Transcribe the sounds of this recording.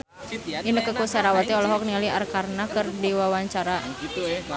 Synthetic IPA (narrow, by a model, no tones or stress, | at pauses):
inəkəkusaɾawat̪iɔlɔɦɔk̚nialiarkarnakərdiwawaɲt͡ʃaɾa